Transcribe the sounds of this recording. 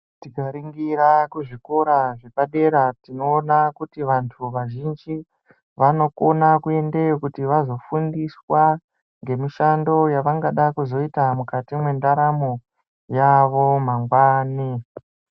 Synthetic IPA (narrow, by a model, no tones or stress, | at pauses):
tikaɾiŋɡiɾakuʐiko̞ɾaʐe̞paɗe̞ɾatinoːnakutiʋantʰuʋaʒind͡ʒi | ʋano̞ko̞nakue̞ndekutiʋazo̞fundiswa | ŋɡe̞miʃando̞jaʋaŋɡaɗakuzo̞itamukatimwe̞ndaɾamo | jaʋo̞maŋɡwaːni